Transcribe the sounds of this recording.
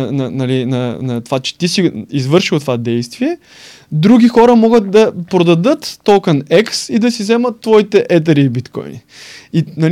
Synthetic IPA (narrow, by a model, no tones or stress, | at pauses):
nɐnɐlinɐnɐt̪ovat͡ʃɛ̥t̪isiizvɤɾʃilˠt̪ovad̪ɛjst̪viɛ | d̪ɾuɡʲixɔɾəmɔɡət̪̚d̪ɐpɾod̪ɐd̪ɤt̪ːɔlˠkɐnɛksid̪ɐsizɛmət̪ːvɔit̪ɛʔɛt̪̬ɐɾibit̪kɔ̰jnḭinɐl